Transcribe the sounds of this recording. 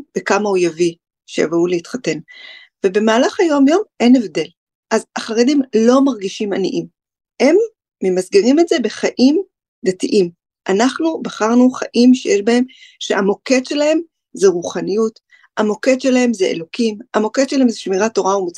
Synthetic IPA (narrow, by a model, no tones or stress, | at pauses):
b̥ekamaujavi | ʃeja̰vuleitχate̞n | ve̞be̞maːlaχajo̞mjo̞mʔe̞nevde̞l | ʔazaχʁedimlo̞maʁɡiʃimanḭʔim | he̞mː | emasɡeʁime̞tze̞be̞χaʔim | d̪atiʔim | ʔanaχnubaχaʁnuχaʔimʃejeʃbahe̞mʃeamo̞ke̞tʃe̞lahe̞m | zeʁuχanijut | amo̞ke̞tʃe̞lahe̞mzeʔḛlo̞kimamo̞ketʃelahe̞mzeʃmiʁato̞ʁaumot͡s